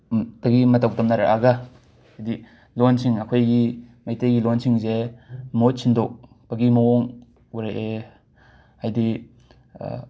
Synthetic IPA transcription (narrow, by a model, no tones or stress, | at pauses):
tɐɡimɐtawtɐmnaɾa̰ʔaɡa | hajdi | lonsʰiŋɐkʰojɡimajtejɡilonsiŋzemot̚sʰindok̚ | bɐɡimɐwɔŋ | uɾaʔe | hajdi